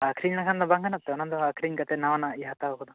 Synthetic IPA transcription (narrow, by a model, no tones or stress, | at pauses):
akʰɾiɲnakʰand̪ɔbaŋɡanat̪ɛɔnand̪ɔakʰɾiɲkat̪ɛnawanaiɦat̪aɔkɔd̪ɔ